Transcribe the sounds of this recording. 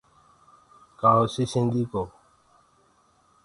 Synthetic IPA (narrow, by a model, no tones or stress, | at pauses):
kaosisĩnd̪iko